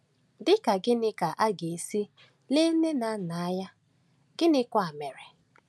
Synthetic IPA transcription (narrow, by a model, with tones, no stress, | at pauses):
dɪ˦ka˨ɡɪ˦nɪ˦ka˨ʔa˦ɡe˨si˦ | le˦ne˦na˨˦na˨a˦ja˦ | ɡ̥ɪ˦nɪ˦kʷa˨me˨ɾe˨